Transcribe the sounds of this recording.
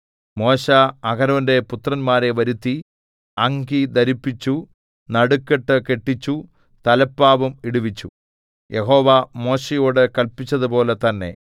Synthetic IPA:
mo̞ːɕɐːɡɐɾɐnde̞put̪rɐnmaːɾe̞ʋɐɾut̪ːi | ɐŋɡid̪ɐɾipːit͡ɕːu | nɐɽukːeʈːɨke̞ʈːit͡ɕːu | t̪ɐlɐpːaːʋumiɽuʋit͡ɕːu | jʔe̞ɦo̞ːʋamo̞ːɕejoːɽɨkɐlpit͡ɕːɐðɨpo̞ːlet̪ɐnːe̞̰

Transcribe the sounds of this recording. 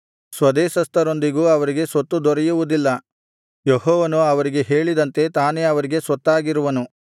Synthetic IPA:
sʋɐd̪eːʃɐst̪ɐɾo̞nd̪iɡuːɐʋɐɾiɡe̞sʋɐt̪ːud̪ɔɾɛjuʋud̪ilːɐ | jeɦɔːʋɐnuɐʋɐɾiɡe̞ɦe̞ːɭid̪ɐnt̪e̞t̪aːne̞ɐʋɐɾiɡe̞sʋɐt̪ːaːɡiɾuʋɐnu

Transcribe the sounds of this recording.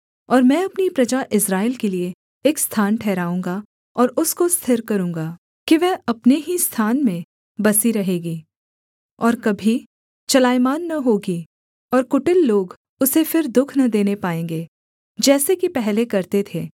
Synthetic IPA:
ɔːɾmɛ̃ːɐpnipɾɐd͡ʒaʔɪsɾaːɪlkelieː | kst̪ʰaːnʈʰɛːɾaːũːŋɡa | ɔːɾʊskost̪ʰɪɾkɐɾũːŋɡaː | kiʋɛːɐpneɦist̪ʰaːnmẽ | bɐsiɾɐɦeːɡiː | ɔːɾkɐbʱi | t͡ʃɐlaːjmaːnːɐɦoːɡi | ɔːɾkʊʈɪlːoːɡ | ʊsefɪɾd̪ʊkʰnɐd̪eːnepaːẽːŋɡeː | d͡ʒɛːsekipɛɦlekɐɾt̪et̪ʰeː

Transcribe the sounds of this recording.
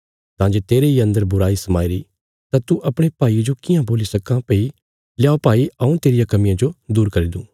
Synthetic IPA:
t̪ãːd͡ʒeːt̪eːɾeiɐ̃nd̪əɾbʊɾaːisɐmaːiɾi | t̪ãt̪uʔɐpɽ̃epaːid͡ʒokɪjãboːlisɐkãpeːi | lɪjaːopaːiɐũt̪eːɾijãkɐmɪjãd͡ʒod̪uːɾkɐɾid̪ũː

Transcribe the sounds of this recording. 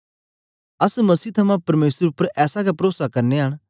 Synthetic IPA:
ɐsmɐsiːt̪ʰɐmãpɐɾmeːsəɾʊpːəɾʔɛːsakapɾoːsakɐɾneɦɐɽ̃

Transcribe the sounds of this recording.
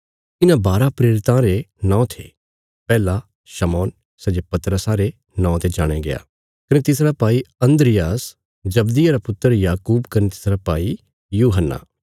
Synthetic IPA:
ɪnãbaːɾapɾeːɾɪt̪ãɾenãːt̪ʰḛː | pɛːla | ʃɐmɔːn | sɐd͡ʒepɐt̪ɾəsãɾe | nãːt̪ed͡ʒaːɽ̃eɡea̰ː | kɐnet̪ɪsɾapaːiɐ̃nd̪ɾɪjaːs | d͡ʒɐbd̪iɐɾapʊt̪ːəɾjaːkuːbkɐnet̪ɪ̥sɾapaːi | juːɦənːa̰ː

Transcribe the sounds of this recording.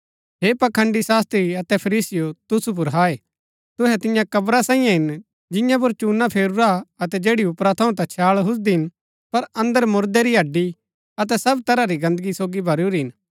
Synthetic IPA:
ɦeːpɐkʰə̃ɳɖisaːst̪ɾiɐt̪ɛpʰɐɾiːsɪjot̪ʊsup̬ʊɾɦaːe | t̪ʊɦɛt̪ɪjãkɐbɾasãːĩjãɦɪn | d͡ʒɪ̃jãp̬ʊɾt͡ʃuːnːapʰeːɾuɾaɐt̪ɛd͡ʒeːɽiʊpɾat̪ʰɐũt̪at͡ʃʰaːɭɦʊs̬d̪iɦɪn | pɐɾɐ̃nd̪əɾmʊɾd̪eɾiɐɖi | ɐt̪ɛsɐbt̪ɐɾaɾiɡɐ̃nd̪əɡisoːɡibʱɐɾuɾiɦɪn

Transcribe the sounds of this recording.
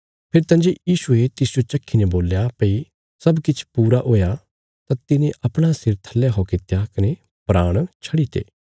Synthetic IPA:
pʰeɾt̪ɐ̃ːnd͡ʒejiːsuet̪ɪsd͡ʒot͡ʃɐkʰːineboːljapɐi | sɐbkɪt͡ʃʰpuːɾaʔoːja | t̪at̪ɪnẽʔɐpɽ̃asɪɾt̪ʰɐlːjeɦokɪt̪jakɐne | pɾaːɽ̃t͡ʃʰɐɽit̪ʰḛː

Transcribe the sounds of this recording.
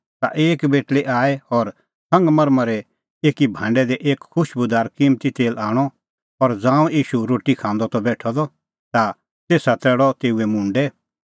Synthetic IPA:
t̪a̰ʔeːkbeːʈleʔaːɛɔɾ | sɐ̃ŋɡmɐɾmãɾɛ | eːkibʱãːɳɖɛd̪ɛʔeːkkʰʊʃbʊd̪aːɾkiːmt̪it̪eːlaːɽ̃ɔ | ɔɾd͡zãːũiːʃuɾoːʈikʰãːnd̪ɔt̪ɔbɛːʈʰɔd̪ɔ | t̪a | t̪eːsat̪ɛːɽɔt̪eːuɛmũːɳɖɛ

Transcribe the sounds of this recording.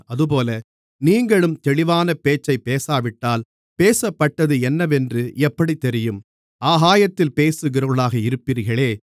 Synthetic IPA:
ɐðɯp̬oːlɐ | niːŋɡɐɭɯmt̪ɛɭɪʋaːnɐpeːt͡ʃːɐɪpeːsaːʋɪʈːaːl | peːsɐpːɐʈːɐðɯɛnːɐʋɛndrɯʔɛpːɐɽit̪ːɛɾɪjɯm | ʔaːɦaːjɐt̪ːɪlpeːsɯɣɪɾɐɭaːɣɐɪɾɯpːiːɾɣɐɭeː

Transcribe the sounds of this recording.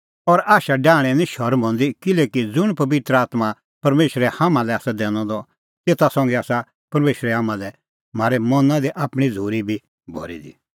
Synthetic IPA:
ɔɾaːʃaɖãːɽ̃ɛ̃nĩʃɔɾbʱɔ̃nd̪ikɪlɛːkid͡zʊɽ̃pɐbɪt̪ɾəaːt̪ma | pɐɾmeːʃɾɛhamãlɛaːsad̪ɛːñɔ̃d̪ɔ | t̪eːt̪asɔ̃ŋɡɛaːsa | pɐɾmeːʃɾɛɦaːmãlɛ | m̤aːɾɛmɔnãd̪iʔaːpɽ̃id͡zʱuːɾibʱi | bʱɔ̰ɾḭd̪i

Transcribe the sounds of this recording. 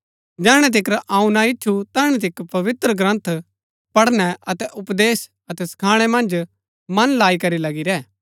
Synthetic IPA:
d͡ʒɛːɽ̃ɛt̪̬ɪkɾʔãːũnaɪt͡ʃːʰut̪ɛːɽ̃ɛt̪̬ɪkpɐʋɪt̪ɾəɡɾɐ̃nt̪ʰ | pɐɽnɛɐt̪ɛʔʊpd̪eːs | ɐt̪ɛskʰaːɽ̃ɛmɐ̃nd͡ʒ | mɐnlaːikɐɾilɐɡiɾɛː

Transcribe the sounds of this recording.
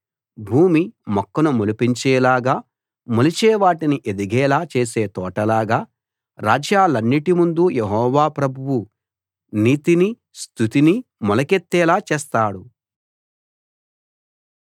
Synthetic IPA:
bʱuːmimɔkːɐnumulupiɲt͡ʃɛːlaːɡaː | mulit͡ʃɛːʋaːʈiniʔe̞d̪iɡɛːlaːt͡ʃe̞ːs̬e̞ːt̪ɔːʈɐlaːɡaː | ɾa̰ːd͡ʒjaːlɐnːiʈimund̪ujeɦɔːʋaːpɾɐbʱuwu | niːt̪ini | st̪ʰut̪inimɔlɐket̪ːɛːlaːt͡ʃeːst̪aːɽu

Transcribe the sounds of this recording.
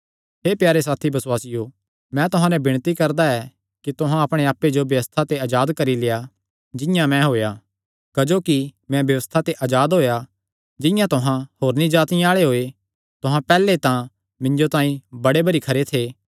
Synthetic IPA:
ɦeːpjaːɾes̬aːt̪ʰibɐswaːsɪjo | mɛ̃t̪ʊɦãnɛbɪɽ̃t̪ikɐɾd̪aɛ | kit̪ʊɦãɐpɽ̃eaːpːed͡ʒobjɐʋəst̪ʰat̪eɐːd͡ʒaːd̪kɐɾileja | d͡ʒɪ̃jãmɛ̃ɦoːja | kɐd͡ʒoːkimɛ̃bjɐʋəst̪ʰat̪eʔad͡ʒaːd̪ɦoːja | d͡ʒɪ̃jãt̪ʊɦãhoːɾnĩd͡ʒaːt̪ɪjãaːɭeɦoːe | t̪ʊɦãpɛːlet̪ã | mɪ̃ɲd͡ʒot̪ãːĩbɐɽebɐɾikʰɐɾet̪ʰeː

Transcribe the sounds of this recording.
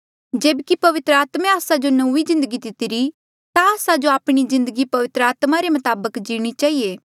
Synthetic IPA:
d͡ʒeːbkipɐʋɪt̪ɾəaːt̪mẽaːsad͡ʒonoizɪ̃nd̪əɡid̪ɪt̪iɾi | t̪aaːsad͡ʒoaːpɽ̃izɪ̃nd̪əɡipɐʋɪt̪ɾəaːt̪maɾemɐt̪aːbəkd͡ʒiːɽ̃it͡ʃaːɦieː

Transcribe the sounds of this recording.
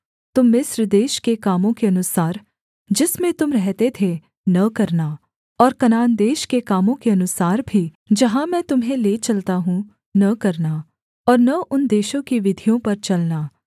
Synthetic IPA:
t̪ʊmːɪsɾd̪eːʃkekaːmõkeɐnʊsaːɾ | d͡ʒɪsmẽt̪ʊmɾɛɦt̪et̪ʰe | nɐkɐɾna | ɔːɾkɐnaːnd̪eːʃkekaːmõkeɐnʊsaːɾbʱi | d͡ʒɐɦãmɛ̃ːt̪ʊmɦẽleːt͡ʃɐlt̪aɦũ | nɐkɐɾna | ɔːɾnɐʔʊnd̪eːʃõkiʋɪd̪ʱijõpɐɾt͡ʃɐlnaː

